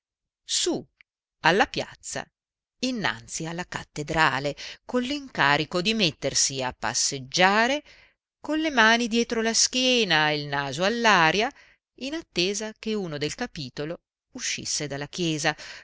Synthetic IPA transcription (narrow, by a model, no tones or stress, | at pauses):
su | alːapja̰t̪sːa̰ | inːa̰nt̪sialːakat̪ːed̪ɾa̰ːlekolliŋkaːɾikod̪imet̪ːersiapːa̰sːed͡ʒːaːɾe | konlːemaːnid̪jɛːt̪ɾolask̟jɛːnaeilnaːzoalːaːɾja | inat̪ːeːzak̟euːnod̪elkapiːt̪olo | uʃːḭsːed̪alːakjɛːza